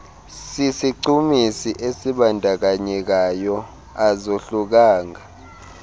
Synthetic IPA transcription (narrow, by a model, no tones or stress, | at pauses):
sisiǀumisiʔesiɓandʱak̬aɲɛk̬ajɔ | azoɬuk̬aːŋa